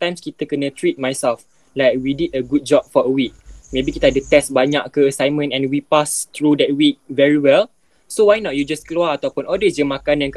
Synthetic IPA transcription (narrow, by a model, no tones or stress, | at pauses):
t̪ãj̃mskit̪əkənətɹit̚majsɛlf | lajk̚wididəɡut̚d͡ʒɔb̚fɔəwik̚mebikit̪əhadət̪ɛsbaɲaʔkəəsãjnmə̃nɛ̃nwipast̪ɹudɛt̚wik̚vɛɹiwɛl | sowajnɔt̚jud͡ʒaskloaat̪awpunʔɔldəsəmakanãnk